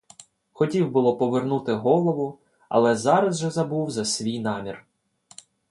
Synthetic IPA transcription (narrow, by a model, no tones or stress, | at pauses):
xɔtʲiwbʊlˠɔpɔʋernut̪ɪɦɔlˠɔʋʊ | ɐ̰lˠɛzɑɾɐzʒɛzɐbuwzɐsʲʋʲijnɑmʲir